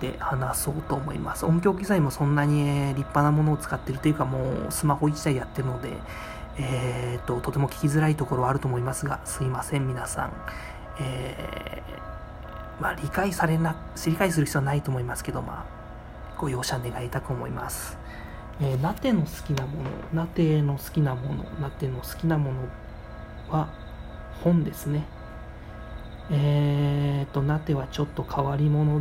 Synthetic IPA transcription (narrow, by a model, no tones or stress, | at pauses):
t̪e̞̰hanaso̞ːt̪o̞ːmo̞̰ḭmasɨ̥õ̞ŋkʲo̞kɯ̟ɡʲizaimo̞sõ̞nːaɲ̟ieɾʲipːanamo̞no̞ːt͡sɨ̥kat̪ːe̞ɾɯ̟t̪o̞jɯ̟kamo̞̰ːsɨmaho̞it͡ɕi̥d̪aijat̪ːe̞ɾɯ̟no̞d̪e̞̰ | eːt̪ːo̞t̪o̞t̪e̞mo̞kʲi̥kʲizɨɾait̪o̞ko̞ɾo̞βaɾɯ̟t̪o̞ːmo̞imasɨɡa̰sɨimasẽ̞mːʲinasã̰ŋ | eː | maɾʲikaisaɾe̞na | sɾʲikais̬ɨɾɯ̟ç̥i̥t͡sːɨβanait̪o̞ːmo̞imasɨ̥ke̞d̪o̞ma̰ | ɡ̥o̞jo̞ːɕane̞ɡait̪akɯ̟omo̞̰ḭmasɨ̥ | eːnat̪e̞no̞sɨ̥kʲinamo̞̰no̞̰nat̪e̞no̞sɨ̥kʲinamo̞no̞̰nat̪e̞no̞sɨ̥kʲinamo̞no̞ | βa | hõ̞nd̪e̞sɨne̞ | e | t̪ːo̞nat̪e̞βat͡ɕo̞t̪ːo̞kʰaβaɾʲimo̞no̞